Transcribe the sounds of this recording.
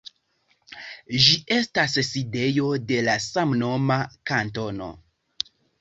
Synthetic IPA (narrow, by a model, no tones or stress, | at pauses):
ʒie̞stasside̞jo̞de̞lasamno̞makanto̞no̞̰